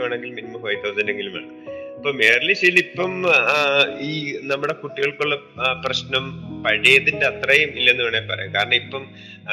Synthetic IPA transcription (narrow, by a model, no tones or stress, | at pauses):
aːɳe̞ŋɡilminimɐfɐjt̪ʰːɐwsɐnde̞ŋɡiluma̰ːɳɨɐpːoːme̞ːrɐliɕejlipːɐm | iːnɐmːuɽe̞kuʈːiɣɐɭkuɭːɐ | prɐɕnɐmpɐɻijɐðindeɐt̪rɐjɐmilːɐenːuɣɐɳepɐrɐ̰jːukaːɾɐɳɐipːɐm